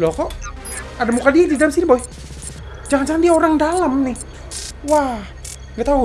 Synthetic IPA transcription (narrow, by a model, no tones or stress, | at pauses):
lɔkɔʔ | adamukadiadidalamsinibɔi | d͡ʒaŋand͡ʒaŋandiaoɾaŋdalamnɪh | wa | ɡat̪au